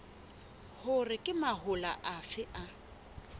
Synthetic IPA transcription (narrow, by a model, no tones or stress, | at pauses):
hʊrɪkʼɪmaɦʊla̰ʔafɪʔa